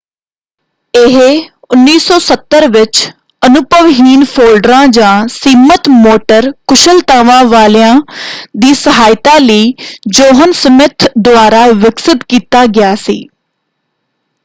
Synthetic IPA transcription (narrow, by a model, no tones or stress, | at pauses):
ɪɦ | ʊnːiːsɔːsət̪ːəɾʋɪt͡ʃ | ənʊpəʋɦiːnpʰoːlɖɾãːd͡ʒãːsiːmət̪moːʈəɾkʊʃəlt̪aːʋãːʋaːlɪãːd̪iːsəɦaːjt̪aːləiːd͡ʒoːɦənsəmɪt̪ʰd̪ʊaːɾaːʋɪksɪt̪kiːt̪aːɡɪjaːsḭː